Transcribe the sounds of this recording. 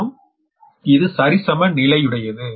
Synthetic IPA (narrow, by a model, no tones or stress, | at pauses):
ɐm | ɪðɯsɐɾɪsɐmɐnɪlɐɪɯɽɐjɐðɯ